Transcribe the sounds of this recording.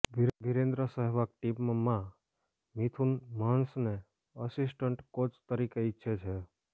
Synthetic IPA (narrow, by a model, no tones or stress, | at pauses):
bbɪɾẽnd̪ɾəsəɦɛʋakʈimːəmːã | mit̪ʰunmansne | əsisʈəɳʈkot͡ʃt̪əɾikeɪtːʃʰet͡ʃʰe